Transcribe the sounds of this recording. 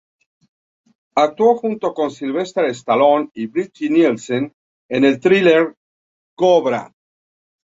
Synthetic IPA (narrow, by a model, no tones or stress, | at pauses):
ak̚t̪woxunt̪o̞ko̞nsilβe̞st̪ɾaðest̪alo̞niβɾid͡ʒinilsen | ene̞lt̪ɾileɾ | koβɾa̰